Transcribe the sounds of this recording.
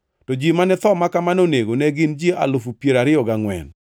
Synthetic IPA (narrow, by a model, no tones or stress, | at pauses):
tɔd͡ʒimanɛt̪ɔmakamanoneɡonɛɡɪnd͡ʒieʔa̰lʊfupjeɾaɾɪɔɡaŋwɛ̰n